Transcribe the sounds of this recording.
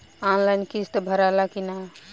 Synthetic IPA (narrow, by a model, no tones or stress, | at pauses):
anlajnkist̪əbʱəɾalakina